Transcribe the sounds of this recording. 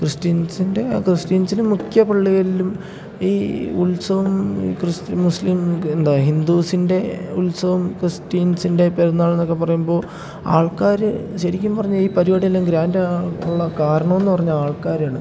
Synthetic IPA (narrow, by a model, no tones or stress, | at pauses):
krɨsʈiːnsinde̞krɨsʈiːnsilumːukʰjɐpɐɭːiɣɐlilum | iːulsɐʋɐm̰ːkrɨsmuslimend̪aːɦind̪uːsinde̞ulsɐʋɐmkrɨsʈiːnsinde̞peɾɐnːaːɭe̞nːo̞kːe̞pɐrɐjumbo̞ː | a̰ːɭkaːɾɨɕɐɾikʲːumpɐrɐɲːɐiːpɐɾiʋɐɽijɐlːemɡɾaːnduɭːɐkaːɾɐɳɐme̞nːɨpɐrɐɲːɐaːɭkaːɾaːɳɨ